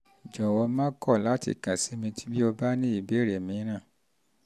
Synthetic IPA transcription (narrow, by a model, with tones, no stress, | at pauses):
d͡ʒɔ˨wɔ˧mãː˦kɔ˦˨la˨˦tḭ˦˨kã˨si˨˦mĩ˧ti̥˦bi˦o˧ba˦nĩ˦i˦˨be˨˦˨ɾe˨mĩ˧˦ɾ̃ã˦˨